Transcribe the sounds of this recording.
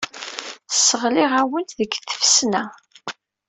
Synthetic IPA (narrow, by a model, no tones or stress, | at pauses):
θsːəʁlɪʁæwənt̪ðəɡθə̥fsnæ